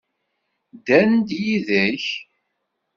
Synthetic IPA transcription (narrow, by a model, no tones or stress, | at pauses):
d̪ænd̪jiðæç